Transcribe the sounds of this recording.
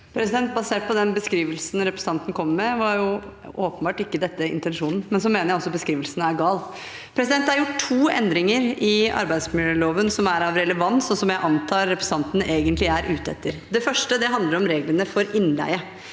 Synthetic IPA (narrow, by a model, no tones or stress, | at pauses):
pʰɾɛsɪd̪ɛnt̪̚bɑseːʈ̚pɔd̪ɛnbəskɾiːʋəlsn̩ɾɛpɾɛst̪ɑnt̪n̩kʰɔmːmɛʋɑɾjʊ | oːpənbɑːʈɪkːəd̪ɛt̪ːəɪ̰nt̪ɛnʂuːnn̩mɛnsɔmeːnəɾjæɔsɔbəskɾiːʋəlsnæɾɡɑːl | pʰɾɛsɪd̪ɛnt̪hɑɾjʊʈʰːuːɛ̰nd̪ɾɪŋəɾɪɑ̰ɾbæɪd̪smɪləɭoːʋənsɔmæɾɑʋɾɛləʋɑnt̪sɔsɔmjæɪʔɑnt̪ʰɑːɾːɛpɾɛst̪ɑnt̪n̩eːɡənt̪lɪæɾʔʉːt̪ɛ̰t̪ːəɾd̪ɛfœʂʈəd̪ɛɦɑnd̪ləɾɔmɾeːɡlənəfɔɾɪnlæ̰ɪə